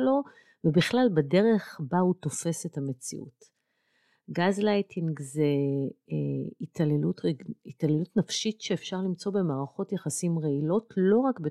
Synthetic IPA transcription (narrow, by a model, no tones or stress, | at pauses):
lo̞ | vebiχlalbadeʁe̞χbauto̞fe̞sethame̞t͡sḭʔṵt | ɡazlajtʰinɡze | itʰalelutʁeitalelutnafʃitʃeːfʃaʁlimt͡so̞be̞maːʁaχo̞tjaχasimʁeilo̞tlo̞ʁakbe